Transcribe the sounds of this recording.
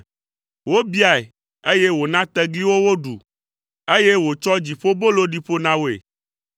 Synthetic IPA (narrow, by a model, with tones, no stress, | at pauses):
wo˦bi˦a˨e˨ | e˦je˦wo˨nã˦t̪ɛ˦ɡli˦wo˦wo˦ɖṵ˨ | e˦je˦wo˨t͡ʃɔ˦d͡ʑi˨ɸo˦bo˦lo˦ɖi˦ɸo˦nã˦wo˦˨ḛ˨